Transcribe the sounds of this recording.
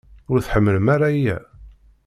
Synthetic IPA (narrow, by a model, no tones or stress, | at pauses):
ʊɾθħəmːələmaɾajæ̰